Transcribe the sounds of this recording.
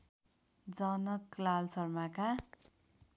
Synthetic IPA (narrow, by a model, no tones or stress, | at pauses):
d͡zʌnʌklalsʌrmaka